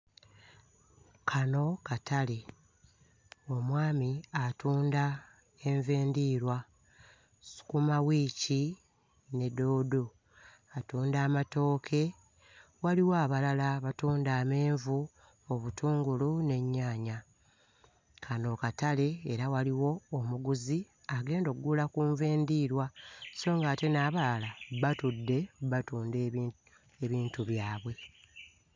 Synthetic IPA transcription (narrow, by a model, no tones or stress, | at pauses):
kʰano̞katale̞ | o̞mwaːmiatuːnda | e̞ɱveːndiːɾwa | su̥kumawiːci | ne̞do̞ːdo | atuːndaːmato̞ːkʰe̞ | waliwoaβalalaβatuːndaːme̞ːɱvu | oβutuːŋɡulune̞ɲːaːɲa | kʰano̞ːkatale̞ːɾawaliwo̞ːmuɡuzi | aɡe̞ːndo̞kuɡulakuːɱveːndiːɾwaso̞ːŋɡaːte̞naːβalaβatudːe̞βatuːnde | eβiːntuβjaːβwe̞